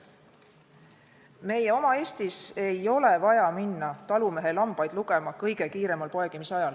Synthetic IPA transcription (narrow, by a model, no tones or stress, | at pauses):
me̞je̞o̞mɑe̞ːst̪ise̞jo̞le̞vɑjɑminːɑt̪ɑlume̞ɦe̞lɑmb̥ɑjd̪̥luɡ̥e̞mɑkɤjɡ̥e̞kiːɾe̞mɑlpo̞eɡ̥imisɑjɑl